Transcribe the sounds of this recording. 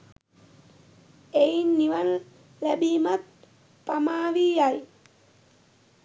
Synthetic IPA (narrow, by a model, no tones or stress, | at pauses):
ejnːiʋan | læbiːmat̪̚ | pamaːʋiaj